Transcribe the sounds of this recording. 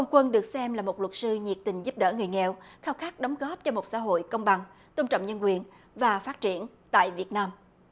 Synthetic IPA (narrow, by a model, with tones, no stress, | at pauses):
hə˧wŋ͡mkwə˧nɗɨ˨˩ək̚sɛ˧mlaː˨˩mo˨˩t̚lwə˨˩t̚sɨ˧ɲi˨˩ək̚t̪ï˨˩ŋ̟zu˦˥p̚ɗə̰ː˧˩ŋɨ˨˩əjŋɛ˨˩˨wxaː˧wxaː˦˥k̚ɗɔ˨˦wŋ͡mɣɔ˦˥p̚t͡ɕɔ˧mo˨˩t̚sa̰ː˧˥ɦo̰˧˨jkə˧wŋ͡mɓa˨˩ŋ | t̪o˧ŋ͡mt͡ɕə̰˧˨wŋ͡mɲə˧nkwi˨˩ən | vaː˨˩faː˦˥t̚t͡ɕi˧˩ən | t̪a̰ː˧˨jvi˨˩ət̚naː˧m